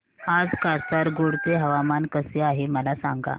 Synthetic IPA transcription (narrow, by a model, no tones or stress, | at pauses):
ad͡zkast̪aɾɡoɽt͡seɦəʋamankəseaɦeməlasa̰ŋɡa̰